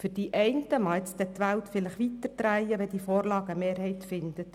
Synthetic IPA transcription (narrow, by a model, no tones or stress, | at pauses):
fʏɾd̥iʔɛɪntəmɑɪt͡sd̪ɛt̪ʋælt̪fɪləχʋit̪əɾd̪̥ɾæjəʋɛd̥̪ifoːɾlɑːɡəmeːɾɦɛjt̪fɪnd̪ət